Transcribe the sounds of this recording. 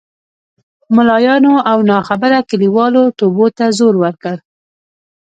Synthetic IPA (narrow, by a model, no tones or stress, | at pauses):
mʊlɑjɑnoʔawnɑxabaɾakaliwɑlot̪obot̪azoɾwəɾkəl